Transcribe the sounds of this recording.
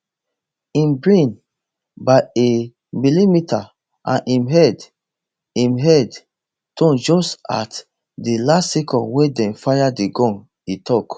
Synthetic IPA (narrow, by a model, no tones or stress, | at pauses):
ĩmbɹĩn | baɪe | milimita | ʔã̰nʔĩmɦɛd | ĩmɦɛd | tʰɔ̃nd͡ʒɔsta̰t | dilastsɛkɔ̃nwedɛ̃nfajadiɡɔ̃n | itʰɔk